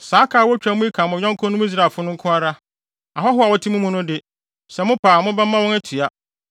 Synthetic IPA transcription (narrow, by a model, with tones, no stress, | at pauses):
saː˨˦kʰaː˨wɔ˦t͡ɕᶣa˨mʊ̃˦i˦kʰã˨mʊ̃˨ɲᶣɔ̃˦ŋ˦kʰʊ̃˦nʊ̃˦i˦s̬ɾa˨fʊ˦nʊ̃˦ŋ̩˦kʰʊ̃˦a˦ɾa˦ | a˨ɦɔ˦ɦʊ˦a˨wɔ˦tʰi˦mũ˦mũ˦nʊ̃˦dɪ˦ | sɛ˨mʊ̃˦pʰaː˨mʊ̃˦bɛ˦mã˦wɔ̃˦nɛ˦tʰɥa˦